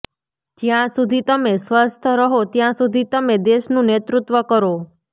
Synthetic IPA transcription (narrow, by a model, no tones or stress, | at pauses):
d͡ʒjãsud̪ʱit̪əmesʋəst̪ʰəɾəɦot̪jãsud̪ʱit̪əmed̪eʃnũnet̪ɾut̪ʋəkəɾo